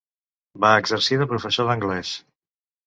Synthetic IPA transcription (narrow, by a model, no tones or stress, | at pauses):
baəɡzəɾsiðəpɾufəsoðəŋɡlɛs